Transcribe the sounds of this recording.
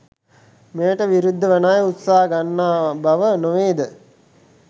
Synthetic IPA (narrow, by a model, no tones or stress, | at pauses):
mejəʈəʋiɾud̪ʱːəʋənaːjut̪saːɦəɡanːaːbaʋənoʋeːd̪ə